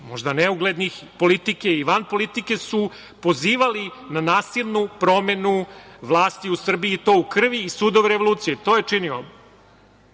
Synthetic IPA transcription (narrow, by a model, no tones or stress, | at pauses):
moʒd̪aneuɡled̪nixpo̞lit̪ikeiʋanpo̞lit̪ike̞su | po̞ziːʋalinanaːsilʲnupɾo̞me̞nuʋlˠaːst̪iusr̩biiːt̪o̞ːukr̩ʋiːsud̪oʋeɾeʋo̞lˠuːt̪sijet̪oːjet͡ʂinio̰